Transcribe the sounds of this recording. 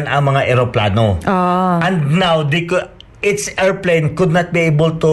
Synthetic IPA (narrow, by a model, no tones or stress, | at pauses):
nɐŋmɐŋaʔɛɾoplaːnoʔɔʔɐ̃nd̪nawd̪iko | ʔɪt̪sɛɹplejnkʊd̪̚nɐt̪̚biʔejbəlt̪ʊ